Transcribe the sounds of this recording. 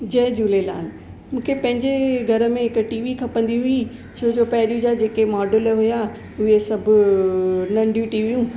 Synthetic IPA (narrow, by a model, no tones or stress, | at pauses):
d͡ʑɐɦd͡ʑuːlela̰ːnɪ̆ | mũːkʰepɐ̃ɦɪ̃ɲd͡ʑeɡʱɐɾə̆mẽɪkʈiːʋikʰɐpɐ̃n̆d̪iɦʊi | t͡ɕʰoːd͡ʑoːpɛɦɾijũd͡ʑad͡ʑeːkemɔːɖəlɦʊja | ʊɦesɐbʱʊ | nɐ̃ɳɖjũʈiːʋijũː